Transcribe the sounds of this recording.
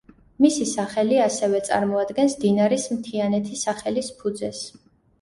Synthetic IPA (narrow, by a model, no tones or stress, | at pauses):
misisaχɛliasɛvɛt̪sʼa̰ɾmɔad̪ɡɛnsd̪inaɾismt̪ʰianɛt̪ʰisaχɛlispʰud̪zɛs